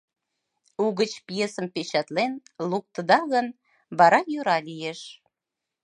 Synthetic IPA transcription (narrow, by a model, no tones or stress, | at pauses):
uɣət͡ɕpjesəmpet͡ɕɑt̪lenluk̚t̪əd̪ɑɣən | βɑɾɑjøɾɑlijeʃ